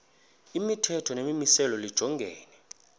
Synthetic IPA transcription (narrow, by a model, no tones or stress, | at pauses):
imitʰɛtʰɔnemimisɛlɔlid̥ʒ̥ʱɔŋɡʱɛːnɛ